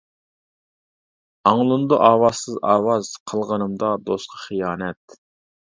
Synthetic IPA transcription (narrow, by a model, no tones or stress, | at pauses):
ɑŋlˠɨnd̪uʔɑːwɑsɨzɑ̰ːwɑz̥qʰəlˠʁənɨmd̪ɑd̪osqʰɑ̥χijɑːnɛt̪̚